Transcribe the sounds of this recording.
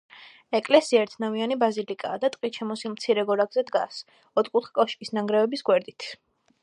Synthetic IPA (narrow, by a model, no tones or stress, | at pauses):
ɛkʼlɛsiaɛɾt̪ʰnavianibazilikʼaːd̪at̪ʼqʼit̪t͡ʃʰɛmɔsilˠmt̪sʰiɾɛɡɔɾaɡzɛd̪ɡas | ɔt̪ʰkʼut̪χɛ̥kʼɔʃkʼisnaŋɡɾɛvɛbisɡwɛɾd̪it̪ʰ